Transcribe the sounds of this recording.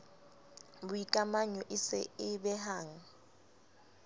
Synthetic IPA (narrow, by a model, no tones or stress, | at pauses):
bʊikʼamaɲɔʔɪsɪ̰ɪbɛɦaːŋ̩